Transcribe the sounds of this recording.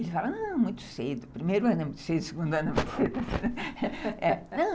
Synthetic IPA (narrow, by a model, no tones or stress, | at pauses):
elɪfalɐnɐ̃mũj̃t̪ʊ̥sed̪ʊpɾimejɾuɛ̃nẽm̃sed̪usɪɡũnd̪uɐ̃nɐ̃vt̪sed̪ɐ | ɛnɐ̃